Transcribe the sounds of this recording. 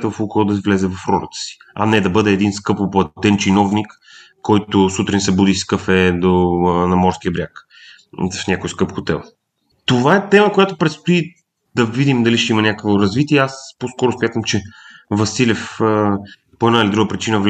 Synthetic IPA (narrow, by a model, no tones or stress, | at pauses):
t̪əvɐfukɔlˠd̪ɐvlʲɛzɛvɐfɾɔlə̰t̪ə̥si̥ɐ̰nɛd̪ɐbɤd̪ɛːd̪inskɤpoplˠɐt̪ɛnt͡ʃinɔvnik | kːɔjt̪ʊsut̪ɾinsɛbud̪iskəfɛd̪onɐmɔɾskiəbɾʲjak | fnʲakoiskɤpxot̪ɛ̰lˠ | t̪ovaɛt̪ɛməkojat̪ʊpɾɛt̪st̪ʊi | d̪ɐvid̪imd̪ɐliʃt̪ɛimənʲakə̥kvoɾɐzvit̪iɛɛasposkɔɾʊsmʲjat̪əmt͡ʃɛvɐsilʲɛfə | poɛd̪nailid̪uɡəpɾit͡ʃinəv